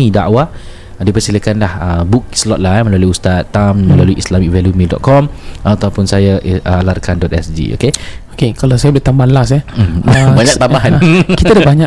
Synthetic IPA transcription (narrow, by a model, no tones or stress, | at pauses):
ida̰ʔwa | dipərsiləkanlahəbuk̚slɔt̪̚lajmə̃laluiust̪at̪ːammə̃laluiʔislamik̚vɛlumĩdɔ̰t̪̚kɔmʔat̪awpʊnsajaʔʔəlarkandɔt̪̚ɛsd͡ʒḭo̰keokekalasajabələt̪ambanlas̬ɛ | baɲak̚t̪ambaɦankit̪adabaɲa